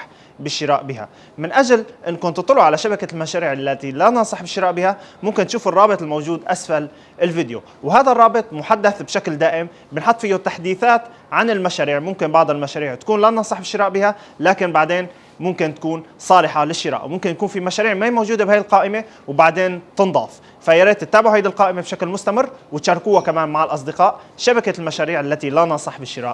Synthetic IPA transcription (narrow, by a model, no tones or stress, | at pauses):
ħ | bɪʃːɪɾaːʔbiːɦa̰ | mɪnʔaʒalʔɪnːkʊnt̪t̪ˤːloʕalaʃabakalmaʃaːɾiːʕɪlːat̪ilanɑnsˤɑħbɪʃːɪɾaːʔbiːhamʊmkɪnt̪ʃuːfɨrˤːɑːbɨt̪ˤɪlmowʒuːd̪ʔasfal | ɪlvɪd̪jo̰ | wɦaːðarˤːɑːbɨt̪ˤmʊħad̪ːaθbʃakld̪aːʔɪm | bɪnħot̪ˤːfijot̪ːaħd̪iːθaːt̪ | ʕanɪlmaʃaːɾiːʕmʊmkɪnbɑʕd̪ˤɪlmaʃaːɾiːʕt̪akuːnlanɑnsˤɑħbɪʃːɪɾaːʔbiːha | laːkɪnbaʕd̪eːn | mʊmkɪnt̪ḁkuːnsˤɑːlɪħɑlɪʃːɪɾa̰ːʔwmʊmkɪnjakuːnfimaʃaːɾiːʕmamowʒuːd̪ebhajɪlqɑːʔɪme | wbaʕd̪eːnt̪ɨnd̪ˤɑ̰ːf | fajaɾeːt̪ːɪt̪ːaːbɪʕhajd̪ɪlqɑːʔɪmebʃaklmʊst̪amɪrːwɪt̪ʃɑrːˤkuːhakamaːnmaʕɪlʔɑs̬ˤd̪ɪqɑːʔʃabakalmaʃaːɾiːʕalːat̪ilanɑsˤɨħbɪʃːɪɾa̰ːʔ